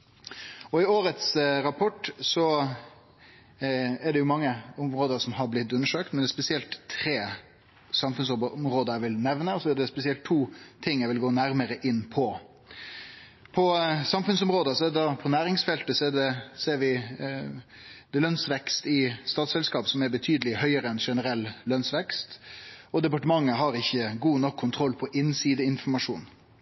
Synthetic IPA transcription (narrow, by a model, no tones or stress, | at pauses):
ɔɪoːɾət̪sɾɑpʰɔʈːsɔ | æɖɛjʊmɑŋːəɔmɾoːd̪əɾsɔmɦɑɾblɪt̪ːʉnːəʂøːkt̪mɛnɛspɛsɪɛlt̪ʰɾeː | sɑmfʉnsmɾoːd̪əɾʋɪlnɛʋnəɔsɔæɖɛspɛsɪɛlt̪ʰːuːt̪ʰɪŋːæɪʋɪlɡoːnæɾməɾəʔɪnːpʰɔ | pʰɔsɑmfʉnsɔmɾoːd̪əsɔɛdɛd̪ɑpʰɔnæːɾɪŋsfɛlt̪əsɔɛɖɛseːɾʋɪ | d̪̥ɛlœnsʋɛkst̪ɪst̪ɑːt̪sɛlskɑːpsɔmæɾbət̪ʰyːd̪əlɪhœʏəɾəɛnʂɛnəɾɛlːlœnsʋɛkst̪ɔd̪ɛpɑʈəmɑŋːəɦɑɾɪçːəɡuːnɔkʰːʊnt̪ʰɾɔlːpʰɔʔɪnsiːd̪əɪnfɔɾmɑʂṵːn